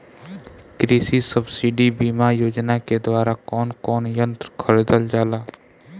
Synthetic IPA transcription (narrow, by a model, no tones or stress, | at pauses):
kɾiːsisəbsiɖibiːmajoːd͡ʒnaked̪waːɾakɔːnkɔːnjə̃nt̪ɾkʰəɾed̪əld͡ʒaːlaː